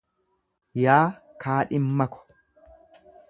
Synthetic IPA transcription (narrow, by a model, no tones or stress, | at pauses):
jaːkaːᶑɪmːɐkɔ̥